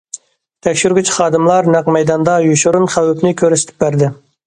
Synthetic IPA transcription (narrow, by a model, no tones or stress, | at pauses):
t̪ʰɛkʲʃyɾɡʲyt͡ʃχɑːd̪ɨmlˠɑɾnæqmɛjd̪ɑnd̪ɑjuʃuɾunχæwypnɪkʲʰøɾysɪt̪ʰɪ̥p̚bæɾd̪ɪ